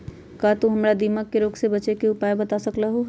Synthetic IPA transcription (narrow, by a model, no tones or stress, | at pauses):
kat̪oɦɐmɾad̪imakːeɾoːɡsebɐt͡ʃekeʊpaːebɐt̪asɐklaɦo